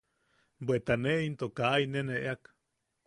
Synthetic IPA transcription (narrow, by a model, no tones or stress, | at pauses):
bwet̪aneint̪okaʔineneʔeak